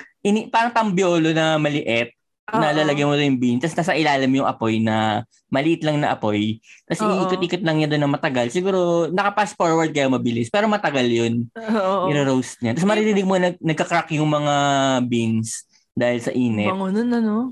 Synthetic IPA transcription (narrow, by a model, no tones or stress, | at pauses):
ʔɪnipaːɾɐŋt̪ɐmbjoːlo̞nɐmɐlɪʔɛt̪̚ | ɐnɐlaːlɐɡɐjmot̪ojʊŋbinst̪ɐsnaːsɐʔɪlaːlɐmjʊŋʔɐpo̞jnɐ | mɐlɪʔɪt̪lɐŋnɐʔɐ̰po̞jkɐsiʔiːkot̪ʔiːkot̪̚lɐŋɲand̪o̞nːɐmɐt̪ɐɡalsɪɡuːɾo̞nɐkɐpasfoɹwɐɹd̪̚kɐjamɐbɪlɪspɛːɾomɐt̪ɐɡaljonoɪɾɪɾowst̪̚ɲat̪ɐsmɐɾɪɾɪnɪɡ̚monɐnɐɡ̚kɐkɾakjʊŋmɐŋabins | d̪aːhɪlsɐʔiːnɛnonɐno